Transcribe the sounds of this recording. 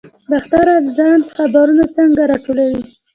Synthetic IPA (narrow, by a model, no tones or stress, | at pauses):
d̪əxt̪aɾalzɑnt͡sə̥xabaɾunat͡səŋɡaɾɑʈolawi